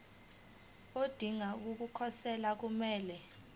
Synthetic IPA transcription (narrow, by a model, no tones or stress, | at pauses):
od̥ʱiŋak̬uk̬ukʰɔsɛlak̬umɛːlɛ